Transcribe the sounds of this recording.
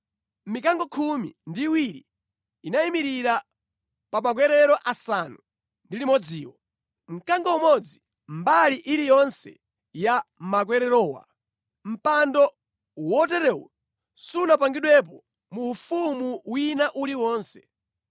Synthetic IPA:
mikaŋɡɔkʰumḭndiwiɾḭː | naimiɾiɾa | pamak̬wɛɾɛɾɔʔasanu | ndilimɔd͡ziːwɔ | ŋ̩kaŋɡɔumɔd͡zi | mbaliʔiɾijɔnsɛ̰ | jamak̬wɛɾɛɾɔːwa̰ | m̩pandɔ | wɔtɛɾɛwɔ̰ | sunap̬aŋɡiɗwɛp̬ɔ | muːfumuwinaʔuliwɔːnsɛ̥

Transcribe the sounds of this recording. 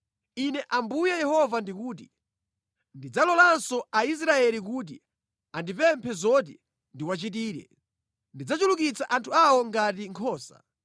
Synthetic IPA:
inɛʔambujajɛhɔvandikuːtḭ | ndid͡zalɔlansɔais̬ɾaɛlikuːt̬ḭ | andipɛmpʰɛzɔt̬i | ndiwat͡ʃitiːɾɛ̰ | ndid͡zat͡ʃulukit͡sʰaʔantʰuawɔŋɡat̬iŋkʰɔːsa̰

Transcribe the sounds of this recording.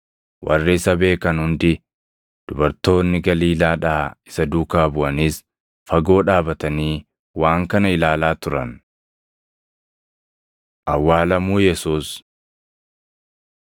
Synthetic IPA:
wʔɐ̰rːɪɪsɐbe̞ːkɐnhʊnd̪ɪ | d̪̥ʊbɐɾt̪o̞ːnːɪɡɐliːlaːᶑaːɪsɐd̪uːkaːbʊʔɐniːs | fɐɡo̞ːᶑaːbɐt̪ɐniː | waːŋkɐnɐɪlaːlaːt̪ʊɾɐ̰n | ʔɐwːaːlɐmuːjɛsuːs

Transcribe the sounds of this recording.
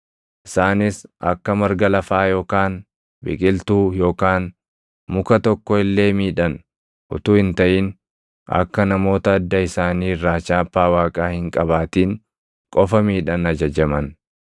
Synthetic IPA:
ʔɪsaːnɪsʔɐ̰kːɐmɐɾɡɐlɐfaːjo̞ːkaːn | bɪ̰kʼɪlt̪uːjo̞ːkaːn | mʊkɐt̪ɔkːɔɪlːe̞ːmiːᶑɐn | ʔʊ̰t̪uːhɪnt̪ɐʔɪn | ɐ̰kːɐnɐmo̞ːt̪ɐːd̪ːɐɪsaːniːrːaːt͡ʃaːpːaːwaːkʼaːhɪŋkʼɐβaːt̪iːŋ | kʼɔfɐmiːᶑɐnɐd͡ʒɐd͡ʒɐmɐn

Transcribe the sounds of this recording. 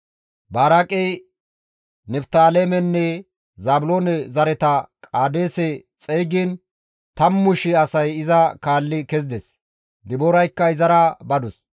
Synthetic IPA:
baːɾakʼɛj | nɛbt̪aːleːmɛnːɛ | zaːbʊloːnɛzɐɾɛt̪ɐkʼaːd̪eːsɛt͡sʼejɡɪn | t̪ɐmːʊʃɪɐsɐjɪzɐkaːlːɪkɛzɪd̪ɛs | d̪ɪboːɾɐjkːɐɪzɐɾɐbɐd̪ʊs

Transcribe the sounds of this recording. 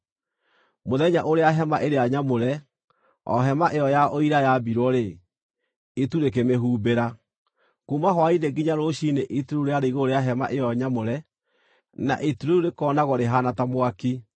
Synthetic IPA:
moðɛɲaʔoɾeaɦɛmaʔeɾeaɲamoɾɛ | ɔ̰ɦɛmaʔejɔjaoiɾajabiɾwɔɾe | ituɾek̬emeɦuːbeɾa | kumaɦwaineɡiɲaɾoʃineʔituɾuuɾeaɾeiɣoːɾeaɦɛma̰ʔejɔɲamoɾɛ | na̰ʔituɾouɾekɔnaɣɔɾeɦanatamwaki

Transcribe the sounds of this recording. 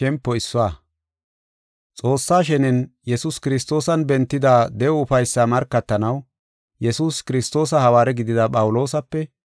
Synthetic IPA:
ɛmpːɔɪsːɔwaː | t͡sʼo̞ːsːaːʃ̬ɛnɛnjɛsuskɪɾɪs̬t̪o̞ːsɐnbɛnt̪ːɪd̪aːd̪ɛɔʊfɐjsːamɐɾkːɐt̪ːɐnɐw | jɛsuːskɪɾɪst̪o̞ːs̬ɐhɐwaːɾɛɡɪd̪ɪd̪ɐpʼɐwʊlo̞ːsɐpːɛ

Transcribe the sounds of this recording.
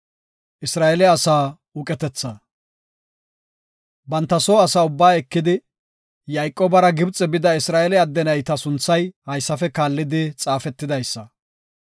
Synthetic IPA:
ʔɪsɾaːɛlɛɐsaː | ʊkʼɛt̪ɛt͡sːɐ | bɐnt̪ːɐsoːɐsaːʊbːaːɛkːɪd̪ɪ | jɐjkʼːoːbɐɾɐɡɪbt͡sʼɛbɪd̪ɐɪsɾaːɛlɛɐd̪ːɛnɐjt̪ɐsʊnt͡sːɐjhɐjsːɐfɛkaːlːɪd̪ɪt͡sʼaːfɛt̪ːɪd̪ɐjsːɐ

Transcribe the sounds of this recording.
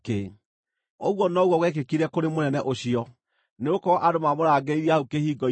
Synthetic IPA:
ke | ɔɣwɔnɔɣwɔɣwɛk̬ekiɾɛkoɾemonɛnɛʔoɕiɔ | neɣokɔɾɔʔadomamoɾaɡeiɾiaukehiːɡɔ

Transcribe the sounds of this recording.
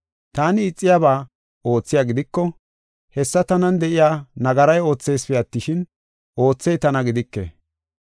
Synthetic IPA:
t̪aːnɪːt͡sʼːɪjaβaː | o̞ːt͡sːɪjaːɡɪd̪ɪkːɔ | hɛsːɐt̪ɐnɐnd̪ɛʔɪjaːnɐɡɐɾɐjo̞ːt͡sːe̞jspɛɐt̪ːɪʃɪn | ʔo̞ːt͡sːɛjt̪ɐnɐɡɪd̪ɪkːḛ

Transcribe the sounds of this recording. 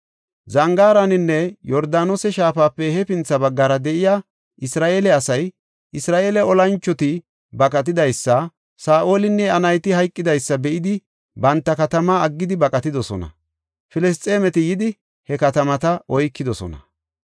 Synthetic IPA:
zɐŋɡaːɾɐnɪnːɛjɔɾd̪aːnosɛʃaːfaːpːɛhɛpɪnt͡sːɐbɐɡːaɾɐd̪ɛʔɪjaː | ʔɪsɾaːʔeːlɛɐsɐj | ʔɪsɾaːʔeːlɛɔlɐnt͡ʃːɔt̪ɪ | bɐkʼɐt̪̬ɪd̪ɐjsːɐ | saːʔoːlɪnːɛɐnɐjt̪ɪhɐjkʼːɪd̪ɐjsːɐbɛʔɪd̪ɪ | bɐnt̪ːɐkɐt̪ɐmaːɐɡːɪd̪ɪbɐkʼɐt̪ɪd̪ɔsɔ̰nɐ̰ | fɪlɛs̬t̪ʼːeːmɛt̪ɪjɪd̪ɪ | hɛkɐt̪ɐmɐt̪ɐʔɔjkːɪd̪ɔsɔ̰nɐ̰

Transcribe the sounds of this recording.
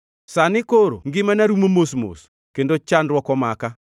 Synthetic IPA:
sanɪkoɾo̰ŋɡɪmanaɾumomosmo̰s | kendot͡ʃanrwɔkɔmaka

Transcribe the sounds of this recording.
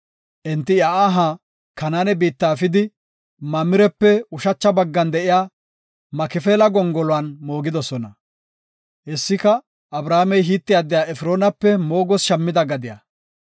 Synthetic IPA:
ʔɛnt̪ːɪjaʔaːɦaː | kɐnaːnɛbiːt̪ːaːfɪd̪ɪ | mɐmɪɾɛpːɛʊʃɐt͡ʃːɐbɐɡːɐnd̪ɛʔɪjaː | mɐkɪfeːlɐɡɔŋɡɔlɔwanmo̞ːɡɪd̪ɔsɔnɐ | ʔɛsːɪkɐ | ʔɐbɾaːmɛjɦiːt̪ːɪjaːd̪ɪjaːɛfɾo̞ːnɐpːɛmo̞ːɡɔsʃɐmːɪd̪ɐɡɐd̪ɪja̰

